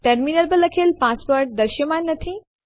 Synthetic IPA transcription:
ʈeɾminəlbələkʰelpaspəɾʈ̚d̪ɐɾʃjəmanːɐt̪ʰĩ

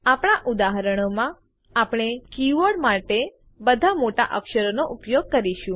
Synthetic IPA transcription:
apɳ̃aʔud̪aɦəɾəɽ̃omã | apɽ̃ekiʋoɖmaʈe | bəd̪ʱamoʈa̰ʔəkʃəɾonoʔupjoɡ̚kəɾiʃũ

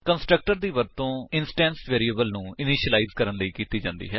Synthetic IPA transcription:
kənsʈɾək̚ʈəɾd̪iːʋəɾt̪õːɪnsʈɛ̃ːnsʋeːɾiːəːbəlnũːɪniːʃəlaiːzkəɾənləiːkiːt̪iːd͡ʒãːnd̪ḭːɦɛː

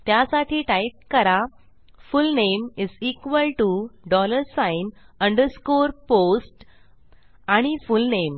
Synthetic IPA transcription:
t̪jasaʈiːʈaip̚kəɾa | fulnemizikʋəlʈuɖɔləɾsãinə̃ɳɖəɾskoɾposʈ | aɽ̃ifulnem

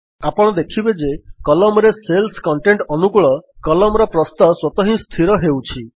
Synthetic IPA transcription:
apɔɽ̃ɔd̪ekʰibed͡ʒekɔlɔmɾeselskɔɳʈeɳʈɔnukuɭɔkɔlɔmɔɾɔpɾɔst̪aswɔt̪ɔɦĩst̪ʰiɾɔɦewt͡ʃʰi

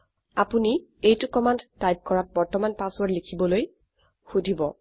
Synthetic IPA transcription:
apuniejtʊkɔmandtajp̚kɔɹat̚bɔɹtɔmanpasɔɹlikʰibɔloj | xudʱibɔ̰

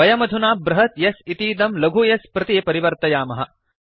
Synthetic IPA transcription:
ɐjɐmɐd̪ʱunaːbɾɐɦɐt̪jɐsit̪iːd̪ɐmlɐɡʱujɐspɾɐt̪iepɐɾiʋɐɾt̪ɐjaːmɐɦɐ

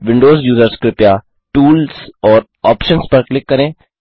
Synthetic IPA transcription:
ʋɪ̃ɳɖoːzjuːzəɾskɾɪpjaː | ʈuːlsɔːɾ | ɔːpʃənspɐɾklɪkːɐɾẽː

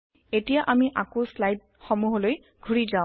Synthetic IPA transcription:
etijaʔamiʔakoslajd̚xɔmuɦɔloj | ɡʱuɹizaʊ̃

